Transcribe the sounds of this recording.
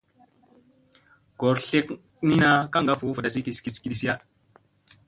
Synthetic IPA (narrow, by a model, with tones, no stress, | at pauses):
ɡ̥o˨ɾɬe˦k | ni˦na˦ka˦ŋɡa˦fu˨˦fə˨da˨s̬i˦ki˨ski˨si̥˨ki˨˦ɗi˨si˦ja˦